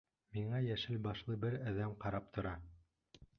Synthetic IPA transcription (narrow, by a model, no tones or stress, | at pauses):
miɴɑjæʃɘlbɑʃlˠɤbɘɾæðæmqɑɾɑp̚t̪ŏɾɑ